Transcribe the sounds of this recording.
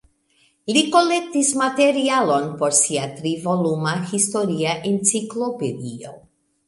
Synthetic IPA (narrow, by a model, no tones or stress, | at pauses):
liko̞le̞k̚tismate̞ɾialo̞npo̞ɾsiatɾivo̞lumahisto̞ɾiaʔent͡siklo̞pedio̞̰